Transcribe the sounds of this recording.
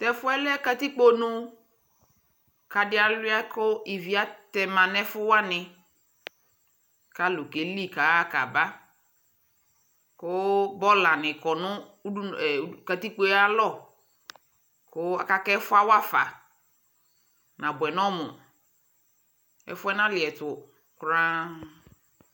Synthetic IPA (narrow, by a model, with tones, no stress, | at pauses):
t̪ɛ˨fʊ˦ɛ˦lɛ˦ka˦t̪i˦k͡po˦nʊ̃˦ | ka˨dɪ˦a˨lɪ˦a˦kʊ˦i˨vi˨a˦t̪ɛ˨mã˨nɛ˦fʊ˦wa˦nɪ̃˨ | ka˦lo˨ke˨li˦ka˨˦a˦ka˨ba˦ | kʊ˦bɔ˦la˨nɪ̃˨kɔ˨nʊ̃˦˨˦ | ka˨t̪i˦k͡po˦a˦lɔ˦˨ | kʊ˦a̰˨ka˦kɛ˦ɛ˦fʊ˦a˦wa˦fa̰˨ | nã˨bwɛ˨nɔ̃˦mʊ˨ | ɛ̰˨fʊ˦ɛ˦nã˦lɪ˨ɛ˨tʊ˨ | kɾã˦